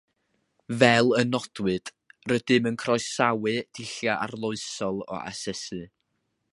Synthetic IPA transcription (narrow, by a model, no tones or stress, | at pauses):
vɛlˠənɔd̥wɨd̥ | rədɨmənkʰrɔjssawɨd̥ʰɪɬjaʔarlˠʊɨsɔlˠɔ̰ʔa̰sɛsɨ